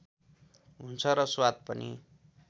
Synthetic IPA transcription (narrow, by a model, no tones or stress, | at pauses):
ɦunt͡sʰʌɾʌswad̪̚pʌnḭ